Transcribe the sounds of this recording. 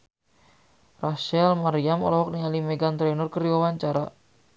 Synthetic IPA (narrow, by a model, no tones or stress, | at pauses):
raʃɛlmaɾiamɔ̰lɔɦɔk̚nialimɛɡant̪ɾɛnɔrkəɾiwawaɲt͡ʃaɾa̰